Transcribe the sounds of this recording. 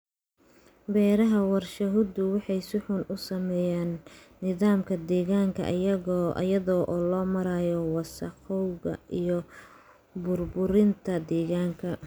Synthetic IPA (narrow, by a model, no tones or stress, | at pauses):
bɛːɾɐɦɐwɑrʃɐɦʊd̪ʊwɑħɑjsʊħʊnʔʊsɐmɛːjaːnː | ɪðaːmkʰɐd̪ɛːɣaːŋkʰɐ̰ʔɐjɐɣɔʔɐ̰jɐðɔːʔɔːlɔːmɐɾaːjɔwɑsɑqɔwɣɐ̰ʔijɔ | bʊrbʊɾɪnt̪ʰɐd̪ɛːɣaːŋkʰɐ